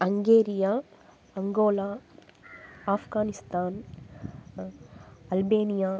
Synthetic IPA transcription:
ɐŋɡeːɾija | ɐŋɡoːlaː | aːfɡaːnist̪aːn | ɐlbeːnijaː

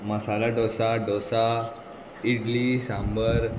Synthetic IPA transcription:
məsalaɖɔsaɖɔsa | iɽlisãmbəɾ

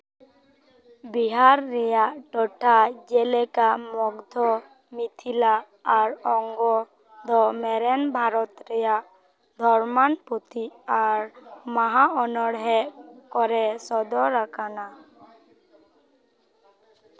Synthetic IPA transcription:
biɦaɾːɛjaʔʈɔʈʰad͡ʒɛlɛkamɔɡd̪ʱɔ | mit̪ʰilaː | ɾɔŋɡɔ | d̪ʱɔmɛɾɛnbʱaɾɔt̪ɾɛjaʔ | d̪ʱɔɾmanput̪iaɾmaɦaɔnɔɽɦɛʔkɔɾɛsɔd̪ɔɾakʰana

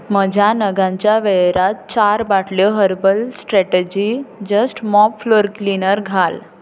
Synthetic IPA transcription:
məd͡ʑʱjanəɡãɲt͡ɕjaʋeɾat̪t͡ɕaɾbaʈljɔɦəɾbəlsʈɾɛʈed͡ʑid͡ʑəsʈmɔpfloɾklinəɾɡʱal

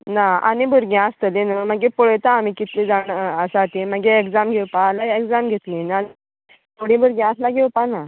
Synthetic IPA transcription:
naa̰nibʱəɾɡjãəst̪əlinəm̤əɡepoɭəjt̪aːm̤ikit̪lid͡zaɳəsat̪ĩm̤əɡeekd͡zamɡʱewpaːlaekd͡zamɡʱet̪lĩnal | t̪ʰoɽĩbʱəɾɡjãəslaɡʱewpana

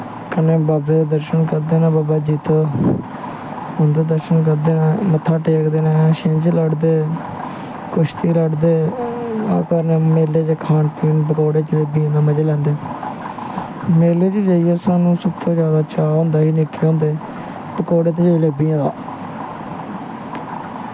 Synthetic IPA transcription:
kənẽːbaːbẽːd̪aːd̪əɾʃənkəɾd̪eːnaːbaːbaːd͡ʒiːt̪oː | ʊ̃nd̪aːd̪əɾʃənk̬əɾd̪eːnaːmət̪ʰːaːʈeːkd̪eːnaːʃẽnd͡ʒləɖd̪eː | kʊʃt̪ʰiːləɖd̪eː | aːkəɾneːmeːleːd͡ʒeːkʰaːnpiːnpəkoːɽeːt͡ʃleːbiːẽːd̪aːməd͡ʒeːlɛ̃ːnd̪eː | meːleːd͡ʒiːd͡ʒaːijɛːsaːnũːsəbt̪ʰõːd͡ʒjaːd̪aːt͡ʃaːɦõːnd̪aːɦiːnɪkːeːɦõːnd̪eː | pəkoːɽeːt̪eːd͡ʒeleːbiːãːd̪aː

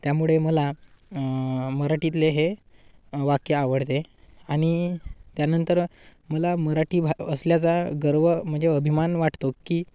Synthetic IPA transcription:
t̪jamuɭeməla | məɾaʈit̪̬leɦe | ʋakjəaʋəɽt̪e | aɽ̃it̪janənt̪əɾməlaməɾaʈiːbʱəsljat͡saɡəɾʋəm̤əɳd͡zeəbʱimanʋaʈʰt̪okːiː

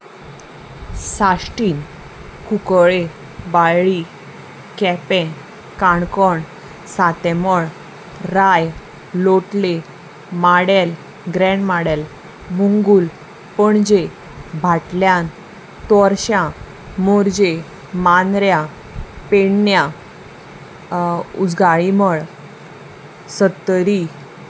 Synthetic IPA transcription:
sasʈiːn | kukɭe | bajɭi | kɛpɛ̃ | kaɳkɔɳ | sat̪ɛmɔɭ | ɾaj | loʈle | maɽɛl | ɡɾɛ̃ɳmaɽɛl | muŋɡuːl | pəɳd͡ʑe | bʱaʈljãn | t̪ɔɾɕã | moɾd͡ʑe | manɾja | peɳnja | ud͡zɡaɭiməɭ | sət̪ːəɾi

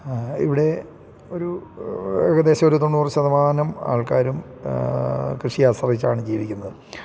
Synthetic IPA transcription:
ḭʋiɽe̞ | oɾu | eɣɐðe̞ːɕɐmo̞ɾut̪oɳːuurɕɐðɐmaːnɐma̰ːɭkaːɾum | krɨʂijaːsɐrit͡ɕːaːɳɨt͡ɕejiɾikʲːunːɐðɨ

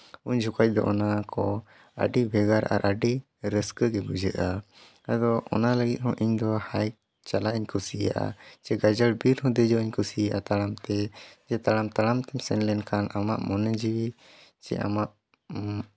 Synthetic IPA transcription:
uɲd͡ʒʱukac̚ˀd̪ɔ̰ʔɔnakɔ | a̰ɖibʱɛɡaɾa̰ɾʔaɖi | ɾəskəɡɛbud͡ʒəʔa | ad̪ɔɔ̰naləɡit̪̚ˀɦɔ̃ʔiɲd̪ɔhaj | t͡ʃalaʔiɲkʰusija̰ʔa̰t͡ʃɛɡad͡ʒaɽbiɾɦɔ̃d̪əd͡ʒɔiɲkʰusijaʔat̪aɽamt̪ɛd͡ʒɛt̪aɽamt̪aɽamt̪ɛmsɛnlɛnkʰanama̰ʔmɔnɛd͡ʒiwi | t͡ʃɛ̰ʔa̰maʔ

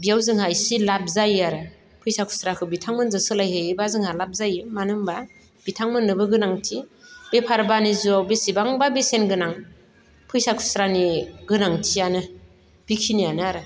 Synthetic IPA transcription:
bijawzɯŋɦajsilap̚zajaɾɯ | pʰɯjsakʰu̥sɾakʰɯbitʰaŋmɯnzɯsɯlajɦɯbazɯŋhalap̚zajɯmanɯŋba | b̥itʰaŋmɯnːɯbɯɡɯnaŋtʰibepʰaɾbanizawbesibaŋbabesenɡɯnaŋ | pʰɯjsakʰu̥sɾaniɡɯnaŋtʰianɯ | b̥ikʰinijanɯaɾɯ

